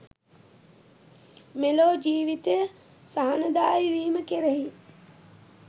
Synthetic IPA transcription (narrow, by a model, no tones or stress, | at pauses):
meloːd͡ʒiːʋit̪əjə | saɦanəd̪aːjʋiːməkeɾəɦi